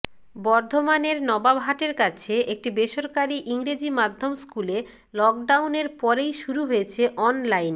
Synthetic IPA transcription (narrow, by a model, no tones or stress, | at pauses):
bɔɾd̪ʱomaneɾnɔbabɦaʈeɾkat͡ɕʰeʔek̚ʈibeʃoɾkaɾiʔiŋɾed͡ʑimad̪ʱːomskule | lɔk̚ɖawneɾpɔɾejʃuɾuɦojet͡ɕʰeʔɔnlajn